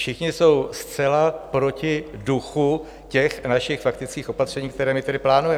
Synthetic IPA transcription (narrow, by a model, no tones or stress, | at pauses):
ʃɪxɲɪso̞wst͡sɛlapɾo̞cɪduxu | cɛxnaʃɪxfakt̪ɪt͡skiːxo̞pat̪r̝̥ɛɲiːkt̪ɛɾɛːmɪt̪ɛdɪplaːnujɛ